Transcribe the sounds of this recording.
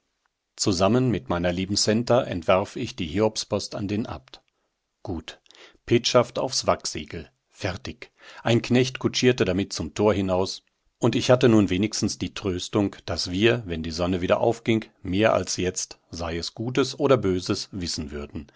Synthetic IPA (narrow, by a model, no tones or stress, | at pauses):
t͡suzamənmɪtmaɪnɐliːbm̩sɛntɐʔɛ̰ntv̥aɐfɪçd̥iːhiːɔpspɔsta̰ndeːnʔa̰ːpt | ɡ̥uːt | pʰeːtʃafta̰ʊfsv̥akz̥ḭːɡl̩ | fɛɐtɪç | ʔaɪnknɛçtkʰut͡ʃiːɐtədamɪt̚t͡sʊmtʰoːɐhɪnaʊs | ʔʊntɪçhatənuːnveːnɪçstn̩sd̥iːtʁ̥øːstʊŋkd̥asv̥iːɐvɛndiːzɔnəviːɾɐ̰ʔa̰ʊfɡ̥ɪŋkmeːɐʔa̰lsjɛt͡st | z̥aɪɛsɡ̥uːtəsʔoːɾɐbøːzəsvɪsn̩vʏɐdn̩